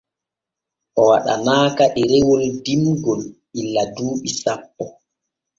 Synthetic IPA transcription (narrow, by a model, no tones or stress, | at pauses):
ʔɔwaɗa̰naːkaʔɛɾɛwɔldimɡɔlʔilːaduːɓisapːɔ